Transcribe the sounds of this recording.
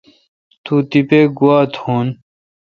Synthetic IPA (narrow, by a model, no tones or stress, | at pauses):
t̪ut̪ipeɡuaːt̪ʰhoːn